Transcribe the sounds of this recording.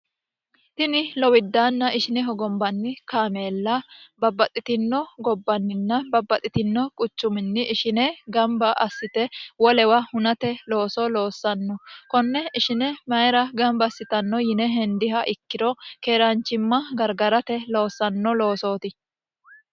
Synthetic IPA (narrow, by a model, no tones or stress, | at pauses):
t̪ɪnɪlɔwɪd̪ːaːnːɐʔɪʃɪnɛɦɔɡɔmbɐnːɪkaːme̞ːlːɐbɐbːɐt̪ʼːɪt̪ɪnːɔɡɔbːɐnːɪnːɐbɐbːɐt̪ʼːɪt̪ɪnːɔkʼʊt͡ʃːʊmɪnːɪʔɪʃɪnɛɡɐmbɐʔɐsːɪt̪ɛwɔlɛwɐhʊnɐt̪ɛloːsɔlo̞ːsːɐnːɔkɔnːɛɪʃɪnɛmɐjɾɐɡɐmbɐsːɪt̪ɐnːɔjɪnɛɦɛnd̪ɪɦɐʔɪkːɪɾɔkeːɾant͡ʃːɪmːɐɡɐɾɡɐɾɐt̪ɛlo̞ːsːɐnːɔlo̞ːso̞ːt̪ɪ